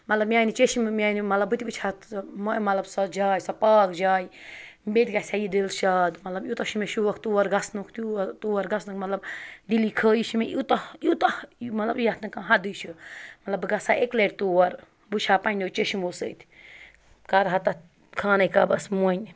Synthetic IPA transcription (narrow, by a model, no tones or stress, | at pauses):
mɐt̪lɐbmʲjaːnit͡ʃeʃimmʲaːnimɐt̪lɐbɨt̪ʲibɨt͡ʃʰaːt̪momɐt̪lɐbsɐd͡ʒaːjsɐpaːkd͡ʒaːjbet̪ʲɡɐsʲajid̪ilʃaːd̪mɐt̪lɐbjut̪ɐʃimeʃuʋɐkʰt̪uːwɐɾɡɐsnukʰt̪ut̪uːwɐɾɡɐsnukmɐt̪lɐbd̪ilikʰəːjiʃimeʔit̪ɐit̪ɐmɐt̪lɐbjɐt̪nɨkãɦɐd̪ut͡ʃʰumɐt̪lɐbɨɡɐsaːekleɾt̪uːwɐɾ | but͡ʃʰaːpɐnnt͡ʃeʃimosə̰ːt̪ʰ | kɐɾɦɐt̪ɐ | kʰaːnɐjkaːbɐsmun